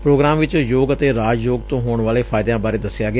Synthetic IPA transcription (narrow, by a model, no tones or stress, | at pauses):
pɾoːɡɾaːmʋɪt͡ʃjoːɡət̪eːɾaːd͡ʒjoːɡt̪õːɦoːɳʋaːleːpʰaːjɪd̪jãːbaːɾeːd̪əsːɪjaːɡɪ